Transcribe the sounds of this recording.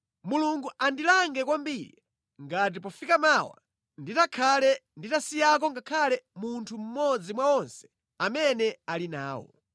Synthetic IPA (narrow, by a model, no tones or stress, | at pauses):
muluŋɡuʔandilaŋɡɛkwambiɾḭ | ŋɡat̬ipɔfikamawa̰ | nditakʰalɛnditasijak̬ɔŋɡakʰalɛmuntʰum̩mɔd͡zimwaɔnsɛ̥ | amɛnɛalina̰ːwɔ̰